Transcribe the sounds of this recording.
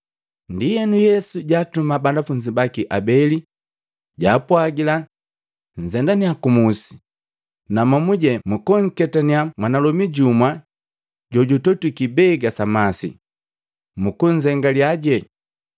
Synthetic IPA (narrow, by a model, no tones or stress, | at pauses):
ndijɛnujɛsuɟaːtumabandafuɲd͡ʒibakiʔabɛli | ɟaːpwaɡila | n̩zɛndaniakumusi̥ | namamuɟɛmukɔŋ̩kɛtaniamwanalɔmiɟumwa | ɟɔɟutɔtukibɛɡasamasḭ | mukuɲzɛŋɡaliaɟɛ